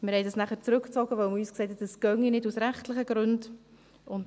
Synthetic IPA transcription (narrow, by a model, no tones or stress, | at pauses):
mɪɾhɛɪdɑsnæχəɾt͡sɾʉkt͡sɔɡəʋœwmyːsksɛjtʰɛd̥əsɡ̥œŋinɪdusɾæχtlɪχəɡ̥ɾʉnd | ʊnt